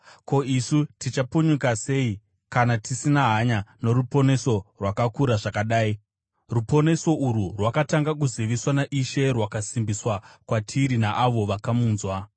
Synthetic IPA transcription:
ko̞isutit͡ʃapuɲukase̞i | kanatʰisinaɦaɲano̞ɾupo̞ne̞so̞rwakakuɾaʐakaɗaːi | rupo̞ne̞so̞ʔuɾurwakataŋɡak̬uziʋiswanaʔiʃe̞rwakasimbiswakwatʰiɾinaʔaʋo̞ʋakamuːnzwa

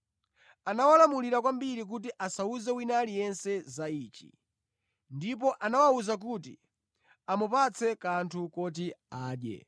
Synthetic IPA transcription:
anawalamuliɾak̬wambiɾik̬ut̬iʔasauzɛwinalijɛnsɛzaiːt͡ʃḭ | ndip̬ɔʔanawauzak̬utḭ | amupat͡sʰɛkantʰukɔt̬iaːɗjɛ̰

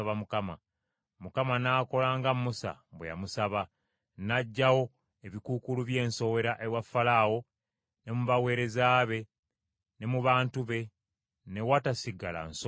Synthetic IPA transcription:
βamukama̰ | mukamanaːko̞laːŋɡamusa̰bweja̰musaβa | naɟːawo̞ | eβikukuluβje̞ːnso̞we̞ɾaʔewafːalaːwo̞ | ne̞muβawe̞ːɾe̞zaːβe̞ | ne̞muβaːntuβe̞ | ne̞watasiɡala̰nso

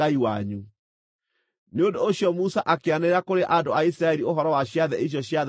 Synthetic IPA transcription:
aiwa̰ɲu | neondoːɕjɔmusaʔakeaneɾakoɾeʔandoais̬ɾaɛɾioɦɔɾɔwaɕjaðɛʔiɕ̬jɔɕjað

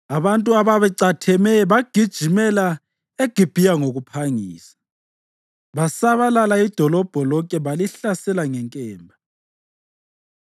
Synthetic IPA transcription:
aβantʼuaβaβɛǀatʰɛmɛβaɡ̥ʱid̥ʒ̥ʱimɛla | eɡ̥ʱib̥ʱijaŋoɣupʰaŋiːsḁ | βasaβalalaid̥ʱɔlɔb̥ʱɔlɔkʼɛβaliɬasɛlaŋɛŋkʼɛːmbʱa

